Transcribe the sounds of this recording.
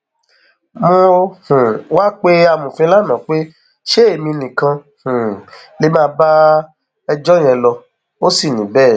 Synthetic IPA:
mõ˧hũ˨wa˦k͡pe˦a˧mũ˨fɛ̃˧˦la˦nã˨˦k͡pe˦ | ʃe˦e˦˨mĩ˧nĩ˨kã˧ | hũ˨ | le˨˦mãː˦ba˦ | ɛ˧d͡ʒɔ˦j̃ɛ̃˧lɔ˧ | o˦si˦˨nĩ˨˦bɛ˦˨

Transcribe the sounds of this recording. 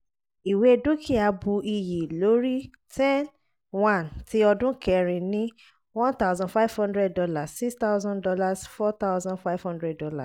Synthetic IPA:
i˨we˦e˧dũ˦kʰi˦˨a˧bu˧ʔi˧ji˨lo˨˦ɾi˦ | tɛ̃˦n | wã˦˨ntʰi˨˦ɔ˧dũ˦kɛ˧ɾ̃ĩ˨nĩ˦ | wɔ̃˦nt̪a˦ʊzɔ̃˦nfa˦jv̥hɔ̃˦ndɾɛ˦ddɔ˧la˨ssi˦kst̪a˦ʊzɔ̃˦ndɔ˧la˦˨sfɔ˦t̪a˦ʊzɔ̃˦nfa˦vhɔ̃˦ndɾɛ˦ddɔ˦la̰˨s

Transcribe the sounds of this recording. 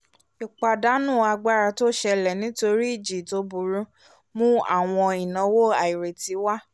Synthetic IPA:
i˨k͡pa˨da˦nũ˦˨a˧ɡ͡ba˦ɾa˧to˦ʃɛ˧lɛ˨nĩ˨˦to˧ɾi˦i˦˨d͡ʒi˨to˨˦bu˨˧˨ɾũ˦ | mũ˦a̰˦˨w̃ɔ̃˧i˨nɔ̃˧˦wo˦a˨i˨ɾe˨ti˨˦wa˦

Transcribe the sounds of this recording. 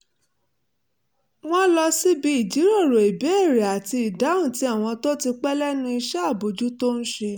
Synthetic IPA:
w̃ɔ̃˦lɔ˧si˦bi˨˦i˦˨d͡ʒi˨˦ɾo˦˨ɾo˨i˨be˨˦e˦˨ɾe˨a˨ti˧i˨da˨˦ũ˦˨ti˨˧a˦˨w̃ɔ̃˧to˦ti˧k͡pɛ˦lɛ˦nũ˧˦i˧ʃɛ˦a˦˨bo˨d͡ʒu˦to˦n̩˦ʃe˧

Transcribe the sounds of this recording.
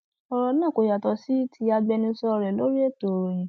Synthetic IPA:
ɔ˧˦ɾɔ˧˦nãː˦˨ko˨ja˨tɔ˨si˦tʰi˧a˧ɡ͡bɛ˧nĩ˧˦sɔ˧ɾɛ˨lo˨˦ɾi˦e˦˨to˨o˨jĩ˨

